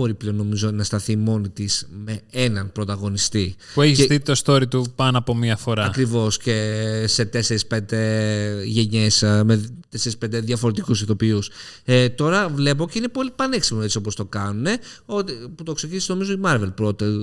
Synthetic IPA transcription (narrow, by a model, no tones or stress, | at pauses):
bo̞ɾipleo̞nːo̞mizo̞nɐst̪ɐθimo̞nit̪isme̞enɐnpɾo̞t̪ɐɣo̞nist̪i | pueçisit̪ost̪o̞ɾit̪upɐnoɐpo̞miɐfo̞ɾɐɐkɾivo̞sce̞se̞t̪e̞se̞ɾispe̞nd̪e̞ʝe̞ɲe̞smet̪e̞seɾispend̪e̞ðjɐfo̞ɾe̞t̪ikusiθo̞pius | et̪o̞ɾɐvle̞p̬o̞ce̞ine̞po̞lipɐneksimoe̞tt͡sio̞po̞st̪o̞kɐnune̞o̞t̪iput̪o̞kse̞cinisno̞mizoimɐɾve̞lpɾo̞t̪e